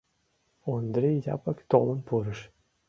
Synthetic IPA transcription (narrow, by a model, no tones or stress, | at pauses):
ond̪ɾʲejjɑ̰pəkt̪olˠɤ̆npuɾə̆ʃ